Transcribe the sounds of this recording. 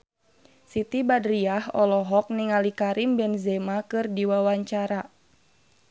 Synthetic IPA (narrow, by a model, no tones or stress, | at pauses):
sit̪ibadɾiahɔlɔɦɔk̚niŋalikaɾʔimbɛnzɛmakɨrdiwawaɲt͡ʃaɾa